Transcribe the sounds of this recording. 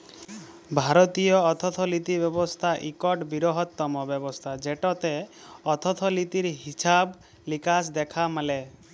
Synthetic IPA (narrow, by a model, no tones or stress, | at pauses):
bʱaɾɔt̪ijɔːt̪ʰɔt̪ʰɔlit̪ibjɔbɔst̪ʰaʔikɔʈbiɾɔɦɔt̪ːɔmɔbjɔbɔst̪ʰad͡ʒeʈɔt̪e | ɔt̪ʰɔt̪ʰɔlit̪iɾɦisab | likasd̪ekʰamale